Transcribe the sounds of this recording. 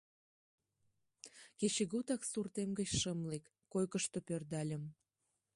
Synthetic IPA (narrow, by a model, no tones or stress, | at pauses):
ket͡ɕeɣut̪ɑksurt̪emɡət͡ɕʃəmlekːojkəʃt̪opørd̪ɑlʲəm